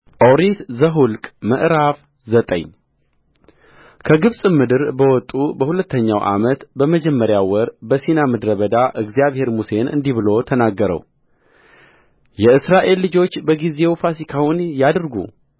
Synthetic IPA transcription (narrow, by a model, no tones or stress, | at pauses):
ʔʼoɾit̪zəɦulkʼməʔɾaf | zət̪ʼə̰ɲː | kʰəɡɨβsʼɨmɨd̪ɨɾbəwɔt̪ʼubəhulət̪ːəɲːawʔa̰mət̪bəməd͡ʒɛmːəɾjawɔɾbəsinamɨd̪ɾəβəd̪aʔɨɡzijaβhe̞ɾmuse̞nʔɨ̰nd̪iβɨlo̞t̪ʰənaɡːəɾə̰w | jɛɨsɾaʔe̞lːɨd͡ʒo̞t͡ʃːbəɡize̞wfasikʰawʊnjad̪ɾɡṵ